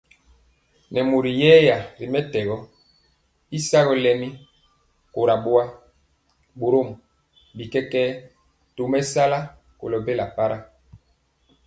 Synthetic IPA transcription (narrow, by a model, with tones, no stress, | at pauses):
nɛ˨mo˨ɾi˨jɛ˦ja˨ɾi˨mɛ˦tɛ˨ɣɔ˦ | i˦sa˦ɣɔ˨lɛ˨mi˦ | ko˨ɾa˨bo˦a˦ | bo˨ɾo˦˨m˨ | bi˨kɛ˦kɛː˦ | to˨mɛ˦sa˦la˦ | ko̰˨lɔ˨be˦la˨pa˦ɾa˦